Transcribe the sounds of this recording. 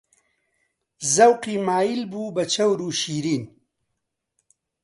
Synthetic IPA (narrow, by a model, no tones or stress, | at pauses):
zɐwqiːmaːjilbuːbɐt͡ʃʰɐwɾuːʃiːɾiːn